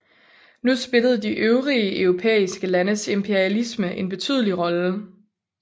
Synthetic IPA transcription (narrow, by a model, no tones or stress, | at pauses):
nusb̥e̝ləð̞̩ˠd̥iʔøʊʁiəʔœʊʁo̝pʰḛːisɡ̥əlænəse̝mpʰe̝ɐiælisməʔe̝nb̥e̝t͡sʰy̰ːðˠəliʁɒ̽lə